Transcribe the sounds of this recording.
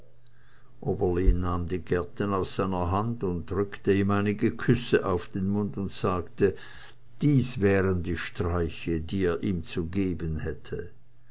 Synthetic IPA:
ʔoːbɐlinaːmdiːɡɛɐtənaʊsz̥aɪnɐɦandʊnt̚d̥ʁʏktəiːmaɪnɪɡəkʰʏsəʔaʊfd̥eːnmʊntʊntz̥aːktə | d̥iːsvɛːʁəndiːʃtʁ̥aɪçədiːeːɐʔiːmt͡suɡeːbənhɛtʰə

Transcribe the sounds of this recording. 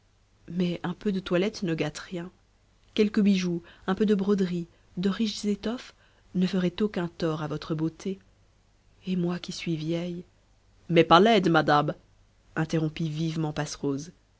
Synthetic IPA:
mɛʔɛ̃pød̪ət̪walɛt̪nəɡat̪ʁjɛ̃ | kʲɛlkəbiʒuɛ̃pød̪əbʁɔd̪ʁi | d̪əʁiʃzet̪ɔf | nəfəʁɛt̪okʲɛ̃t̪ɔʁavɔt̪χəbot̪ʰe | emwakʲisɥivjɛj | mɛpaʁlɛd̪mad̪am | ɛ̃t̪eʁɔ̃pivivmɑ̃pasʁoz

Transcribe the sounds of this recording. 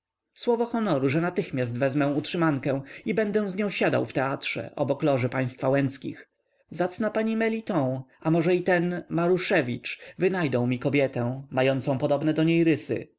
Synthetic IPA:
swɔvɔxɔnɔɾuʐɛnat̪ɘxmʲjas̬t̪vɛzmɛ̃w̃utʂɘmaŋkɛ̃w̃ibɛnd̪ɛw̃zɲɔ̃w̃ɕad̪a̰wft̪ɛatʂɛ̰ʔɔ̰bɔklɔʐɘpaj̃st̪fawɛnt̪skʲḭx | zat̪snapaɲimɛlʲit̪ɔ̃w̃amɔʐɛit̪ɛnmaɾuʂɛvʲit͡ʂvɘnajd̪ɔ̃w̃mʲikɔbʲjɛt̪ɛ̃majɔnt̪sɔ̃w̃pɔd̪ɔbnɛd̪ɔɲejɾɘsɘ̰

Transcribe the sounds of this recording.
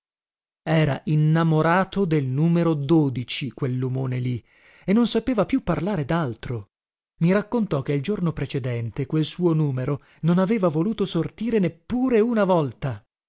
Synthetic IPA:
ɛːɾa̰ʔinːamoɾaːt̪od̪elnuːmeɾod̪oːd̪it͡ʃikwelːumoːneli | enːonsapeːvapjupːarlaːɾed̪alt̪ɾo | miɾakːont̪ɔk̟eild͡ʒornopɾet͡ʃed̪ɛnt̪ekwelsuːonuːmeɾo | nonaveːvavoluːt̪osort̪iːɾenepːuːɾeunavɔlt̪a

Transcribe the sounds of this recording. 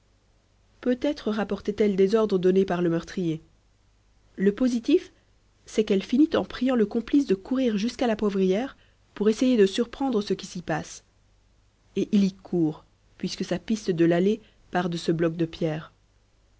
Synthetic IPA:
pøt̪ɛt̪χəʁapɔʁt̪ɛt̪ɛld̪ezɔʁd̪ʁəd̪ɔnepaʁləmœʁt̪χije | ləpozit̪if | sɛkɛlfinit̪ɑ̃pχijɑ̃ləkɔ̃plis̬d̪əkuʁiʁʒyskalapwɔvʁijɛːʁ | puʁesejed̪əsyʁpχɑ̃d̪ʁəsəkʲisipas | eʔilikʰuːʁ | pɥiskəsapist̪əd̪əlale | paʁd̪əsəblɔk̚d̪əpjɛːʁ

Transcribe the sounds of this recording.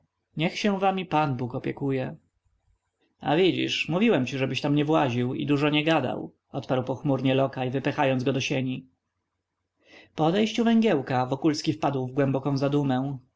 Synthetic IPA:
ɲɛxɕɛ̃vamʲipanbukɔpʲjɛkujɛ | a̰vʲid͡ʑḭʂmuvʲiwɛmt͡ɕiʐɛbɘɕt̪amɲɛvwaʑiwḭd̪uʐɔɲɛɡad̪a̰w | ɔt̪paɾwpɔxmuɾɲɛlɔkajvɘpɛxajɔnzɡɔd̪ɔɕeɲi | pɔɔd̪ɛjɕt͡ɕuvɛŋɡʲjɛwkavɔkulskʲifpad̪wvɡwɛmbɔkɔ̃w̃zad̪umɛ̃

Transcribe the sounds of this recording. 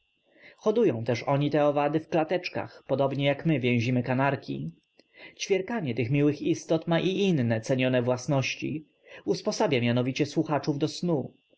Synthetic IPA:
xɔd̪ujɔ̃w̃t̪ɛʂɔɲit̪ɛɔvad̪ɘfklat̪ɛt͡ʂka̰xpɔd̪ɔbɲɛjakmɘvʲjɛ̃w̃ʑimɘkanaɾkʲḭ | t͡ɕfʲjɛɾkaɲɛt̪ɘxmʲiwɘxist̪ɔt̪maʔiʔinːɛt̪sɛɲɔnɛvwasnɔɕt͡ɕḭ | uspɔsabʲjamʲjanɔvʲit͡ɕɛswuxat͡ʂuvd̪ɔsnu

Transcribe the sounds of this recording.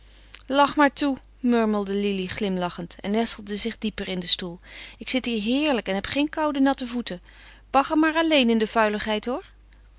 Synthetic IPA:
lɑχmaːɹtu | mɵɹməlˠdəliliχlɪmlɑχəntɛ̰nːɛsəl̩ˠdəzɪχdipərɪndəstulˠɪksɪtɦiːɹɦɪːɹləkɛnɦɛpχejnkɑwdənɑtəvutə | b̥ɑχəmaːɹɑlejnɪndəvœɥləχɦɛjtɦʊːɹ

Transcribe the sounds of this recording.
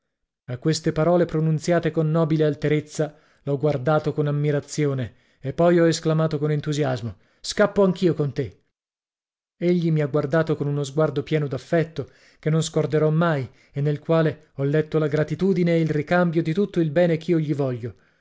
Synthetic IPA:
akːwest̪epaɾɔːlepɾonunt̪sjaːt̪ekonːɔːbilealt̪eɾet̪sːa | lɔɡward̪aːt̪okonamːiɾat̪sjoːne | epːɔjɔesklamaːt̪okonent̪uzjazmo | skapːoaŋk̟iːokont̪e | eʎːimiaɡward̪aːt̪okonunozɡward̪opjɛːnod̪afːɛt̪ːo | kenːonskord̪eɾɔmːaj | enːelkwaːle | ɔlːɛt̪ːolaɡɾat̪it̪uːd̪ineːilrikambjod̪it̪ut̪ːoilbɛːnekʰiːoʎːivɔʎːo

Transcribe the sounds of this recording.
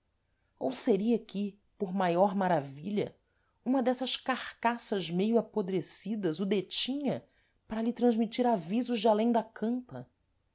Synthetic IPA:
owseɾiɐkʰɪ | poɾmajɔɾmaɾaviʎɐ̰ | ũmɐd̪ɛsɐʃkaχkasɐzmejʊapod̪ɾesid̪ɐzʊd̪et͡ʃĩɲɐ | pɾɐʎɪt̪ɾɐ̃ʒmit͡ʃiɾavizʊʒd͡ʒɪalẽj̃d̪ɐkʰɐ̃mpɐ̰

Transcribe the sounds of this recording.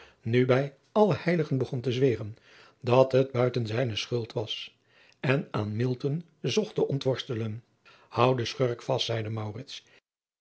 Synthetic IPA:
nybɛj | ɑləhɛjləχənbəχɔntəzʋeːrən | dɑtɦəd̚bœɥtənzɛjnəsχɵlˠtʋɑs | ɛnaːnmɪlˠtɔn | zɔχtəʔɔntʋɔɹstələn | hʌwdəsχøɹkfɑstsɛjdəmɑwrɪts

